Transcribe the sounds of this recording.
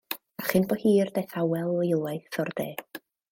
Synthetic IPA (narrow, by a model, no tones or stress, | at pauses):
aχɪnbɔhiːrdejθawɛlˠɔɪlˠajθɔrd̪̥eː